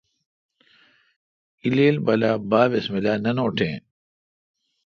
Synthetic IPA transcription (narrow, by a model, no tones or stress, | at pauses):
ileːlbɐlabaːʋesmilaːnɐnoːʈʰḛ̃ː